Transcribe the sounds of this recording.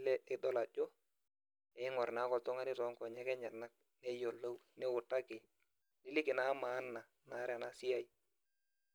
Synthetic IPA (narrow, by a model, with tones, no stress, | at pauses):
lɛ˦ʔɪ˦ɗɔ˦la˨d͡ʒɔ˦ | ɛ˨˦ŋɔ˨ɾna˨˦kɔ˨ltʊ˦ŋa˦nɪ˦tɔ˨˦ŋkɔ˨ɲɛ˦kɛ˦ɲɛ˨na˦k̚ | nɛ˦jo˨lːo˦w | nɛ˦wʊ˨tːa˦kɪ˨ | nɪ˦lɪ˦kɪ˨na˦ma˨˦nːa˨ | na˨˦ɾa˨na˦sɪ˦a˦i˦